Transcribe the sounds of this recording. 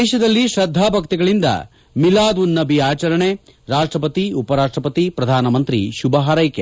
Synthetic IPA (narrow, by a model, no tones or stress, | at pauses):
ʃɐd̪ɐlːiʃɾɐd̪ʱːaːbʱɐkt̪iɡɐɭind̪ɐ̰ | milaːd̪ʋunːɐbiaːt͡ʃɐɾɐɳe | ɾaːʂʈɾɐpɐt̪iupɐɾaːʂʈɾɐpɐt̪ipɾɐd̪ʱaːnɐmɐnt̪ɾḭʃubɐɦaɾɐjke